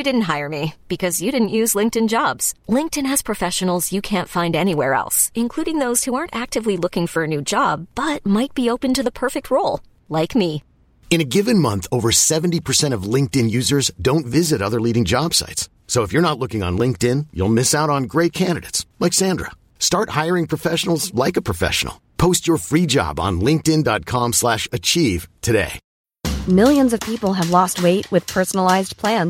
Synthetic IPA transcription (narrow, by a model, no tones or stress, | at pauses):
jɨdɪdⁿn̩t̚ɦaɪə˞mib̥ɨkʰʌzjɨɾɪdⁿn̩ʔjʉzlɪ̃ŋk̚tɨ̃nd͡ʒɑbz̥lɪ̃ŋk̚tɨ̃nɨz̥pʰɹ̥ɨfɛʃɨn̩l̩ˠzjɨkʰæ̃ntfãɪ̃ndɛñiwɛɹɛ̰lˠsɨ̃nkʰl̥uɾɪ̃ŋðoʊz̥huɑɹntæk̚tɨvlilʊkɪ̃ŋfə˞ɨnʉd͡ʒɑb̥ːʌt̚maɪt̚b̥ioʊpɨ̃ntɨðəpʰɜ˞fɨk̚t̚ʰɹoʊlˠ | laɪkmi | ɨ̃ñɨɡɪvɨ̃nmʌ̃nθoʊvə˞sɛṽn̩tipʰə˞sɛ̃ɾ̃ʌvlɪ̃ŋk̚tɨ̃njʉzə˞zdõʊ̃ntvɪzɨɾʌðə˞liɾɪ̃ŋd͡ʒɑb̥sa̰ɪts | soʊəfjə˞ñətˡlʊkɪ̃ŋə̰̃nlɪ̃ŋk̚tɪ̃njṵlˠmɪsaʊɾn̩ɡɹeɪt̚kʰæ̃ndɨɾeɪtslaɪksæ̃ndɹə̰ | stɑɹt̚haɪə˞ɪ̃ŋpʰɹ̥əfɛʃn̩l̩ˠzlaɪkəpʰɹ̥əfɛ̰ʃn̩̰l̩ˠpʰoʊst͡ʃə˞fɹid͡ʒɑ̰bn̩lɪ̃ŋk̚tɪ̃ndɑt̚kʰɑ̃mslæʃɨt͡ʃʰiv̥tʰɨdḛɪ | mɪlˠjɨ̃nzʌv̥pʰipl̩ˠɨvlɔst̚weɪʔ̚wɨð̥pʰɜ˞sn̩l̩aɪzpʰl̥æ̃n